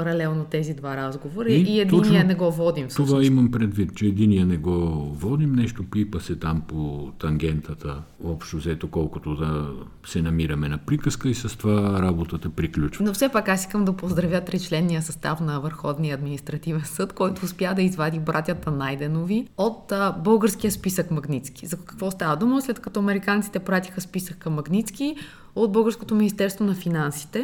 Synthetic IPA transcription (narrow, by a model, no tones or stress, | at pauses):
pɐɾɐlɛlˠnot̪ɛzid̪vaɾazɡovoɾɐiɛd̪niɛnɛɡɔvɔd̪imst̪ovaimɐmpɾɛd̪vit̪t͡ʃɛːd̪iniənɛɡɔvɔd̪imnɛʃt̪opipəsɛt̪ampot̪ɐŋɡ̟ɛnt̪ət̪ə | ɔpʃt̪ovzɛt̪okɔlˠkot̪od̪ɐ | sɛnɐmiɾɐmɛnɐpɾikəskəisɐst̪ovaɾabot̪ət̪ɐpɾiklʲut͡ʃnofsɛpakasiskəmd̪ɐpozd̪ɾɐvʲjət̪ɾit͡ʃlɛnːijəsɐst̪afnɐvəɾxɔd̪nijəːd̪minist̪ɾɐt̪ivɛnsɤt̪kɔjt̪oːspjad̪ɐizvad̪ibɾʔat̪ʲət̪ənajd̪ɛnoviot̪bɤlˠɡəɾskijəspisəkmɐɡnit̪ski̥zɐkɐ̥kvɔst̪avɐd̪uməslɛt̪kɐt̪ɔɐmɛɾikant̪si̥t̪ɛpɾat̪ʲixəspisəkːɐmːɐɡnit̪ski | od̪̚bɤlˠɡəɾskot̪ominʲist̪ɛɾst̪vonɐfinansi̥t̪ɛ